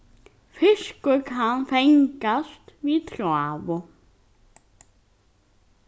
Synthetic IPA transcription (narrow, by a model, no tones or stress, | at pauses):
fɪʂkʏkʰanfɛŋkast̪vit̪ʰɾavʊ